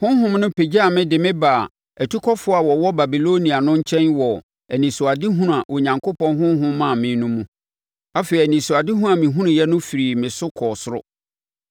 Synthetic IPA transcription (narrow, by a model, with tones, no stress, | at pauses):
hʊ̃˦ɦʊ̃˦mnʊ̃˦pʰe˨d͡ʑa˦a˨mɪ̃˦dɪ˨mɪ̃˦baː˨ | æ˨tʰu˦kʰɔ˦fʊ˦a˨wɔ˨wɔ˦ba˨bi˨lo˦nĩ˨a˨nʊ̃˦ɲ̩˦t͡ɕʰɛ̃˦nwɔ˨ | æ˨nĩ˨sʊ˨a˨dɪ˦ɦũ˦ɾa˨ʔo˨ɲã˨ŋkʰo˦pɔ̃˦nɦʊ̃˦ɦʊ̃˦mã˦˨mɪ̃˨˦nʊ̃˦mũ˦ | a˦fe˨ɾi˨æ˨nĩ˨sʊ˨a˨dɪ˦ɦũ˦a˨mĩ˨ɦũ˦ɾʊ̃˨jɛ˦nʊ̃˦fi˨ɾi˨mɪ̃˨sʊ˦kʰɔː˨sʊ˦ɾʊ̰˦